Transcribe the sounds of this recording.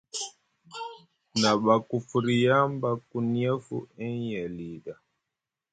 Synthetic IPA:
na˨ɓa˨ku˨fu˨ɾi˨ja˦mba˦ku˨ni˦ɛ˦fṵ˦˨ɛ˦jɛ˨li˨ɗa˨

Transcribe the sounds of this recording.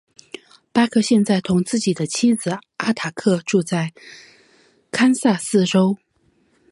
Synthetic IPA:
pa˥kʰɤ˥˧ɕjɛ˥˧nt͡sa˥˩ɪt̪ʰʊ˧˥ŋt͡sɹ̩˥˩t͡ɕi˨˩d̪ə˦t͡ɕʰi˥d͡zɹ̩˨˩a˥t̪ʰa˨˩kʰɤ˥˧ʈ͡ʂu˥˧t͡sa˥˩ɪ | kʰa˥nsa˥˧sɹ̩˥˩ʈ͡ʂo˥ʊ

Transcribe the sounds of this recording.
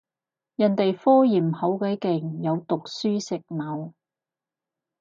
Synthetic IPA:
jɐ˨˩nt̪e˨jfɔː˥jiː˨˩mho˨˥wkɐː˨˥kɪ˨˩ŋjɐ˨˧wt̪ʊ˨k̚syː˥sɪ˨k̚mɐ˨˧w

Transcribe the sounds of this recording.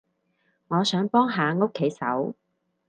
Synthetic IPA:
ŋɔː˨˧sœː˨˥ŋpɔː˥ŋɦaː˨˧ŋo˥kʰːe˨˥jsɐ̰˨˥w

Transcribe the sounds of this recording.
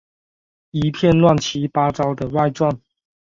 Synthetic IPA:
i˨˦pʰjɛ˥˨nlwa˥˨nt͡ɕʰi˨˦pa˦ʈ͡ʂɑ˦ʊd̪ə˨wa˥˧ɪʈ͡ʂwa˥˨n

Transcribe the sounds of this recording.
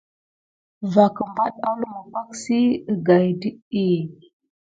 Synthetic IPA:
va˨kə˨mba˦ɗa˦lu˦mə˨kʷa˦ksi˦ə˨ɡa˨jdi˦i˦

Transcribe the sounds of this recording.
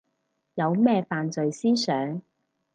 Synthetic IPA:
jɐ˨˧wmɛː˥faː˨nt͡sɵ˨ɥsiː˥sœː˨˥ŋ

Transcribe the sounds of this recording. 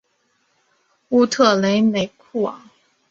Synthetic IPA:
u˥t̪ʰɤ˥˩le˧˥ɪme˨˩ɪkʰu˥˩ɑ̰˨˦

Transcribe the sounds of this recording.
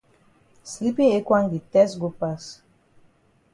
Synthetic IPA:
sli˦pĩ˦e˦kwa˦ŋdi˨t̪ɛ˦sɡo˦pas

